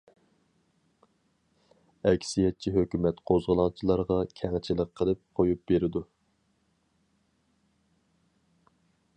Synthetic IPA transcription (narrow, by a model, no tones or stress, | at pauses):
ɛkʲsijɛt̪̚t͡ʃʰiɦøkʲymɛt̪qʰozʁəlˠɑŋt͡ʃʰilˠɑɾʁɑkʲʰɛŋt͡ʃʰilɪqʰːəlˠɨp̚qʰojup̚beɾɪd̪u